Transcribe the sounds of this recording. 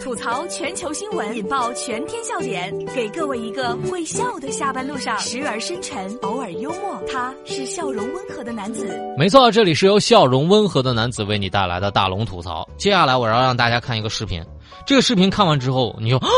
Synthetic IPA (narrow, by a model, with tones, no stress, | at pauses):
t̪ʰu˨˩t͡sʰɑ˧˥ʊt͡ɕʰɥɛ˧˥nt͡ɕʰjo˧˥ʊɕi˥ŋwə˧˥ni˨˩npɑ˥˩ʊt͡ɕʰɥɛ˧˥nt̪ʰjɛ˥nɕjɑ˥˩ʊt̪jɛ˨˧˥nke˨˩ɪkɤ˥˧we˥˩ɪi˧˥ɡə˧we˥˧ɪɕjɑ˥˩ʊd̪ə˩ɕja˥˩pa˥nlu˥˧ʂɑ˥˩ŋʂɻ̩˧˥ə˞˧˥ʂə˥nʈ͡ʂʰə˧˥ŋo˧˥ʊə˞˨˩jo˥ʊmwɔ˥˩t̪ʰa˥ | ʂɻ̩˥˧ɕjɑ˥˩ʊɻʊ˧˥ŋwə˥nxɤ˧˥d̪ə˧na˧˥nt͡sɹ̩˨˩˦me˧˥ɪt͡sʰɔ˥˧˥ʈ͡ʂɤ˥˩li˨˩ʂɻ̩˥˩jo˧˥ʊɕjɑ˥˩ʊɻʊ˧˥ŋwə˥nxɤ˧˥d̪ə˧na˧˥nt͡sɹ̩˨˩we˥˩ɪni˨˩t̪a˥˩la̰˧˥ɪd̪ə˧t̪a̰˥˩lʊ˧˥ŋt̪ʰu˨˩t͡sʰɑ̰˧˥ʊt͡ɕjɛ˥˧ɕja˥˩la˧˥ɪwɔ˨˩jɻɑ˥˧ŋt̪a˥˧˩t͡ɕja˥kʰa˥˩ni˧˥ɡə˧ʂɻ̩˥˩pʰḭ˧˥n | ʈ͡ʂɤ˥˩ɡə˩ʂɻ̩˥˩pʰi˧˥nkʰa˥˩nwa˧˥nʈ͡ʂɻ̩˥xo˥˩ʊni˨˩t͡ɕ